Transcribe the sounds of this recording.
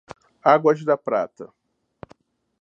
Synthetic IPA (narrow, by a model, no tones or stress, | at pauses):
aɡwɐʒd̪ɐpɾa̰t̪ɐ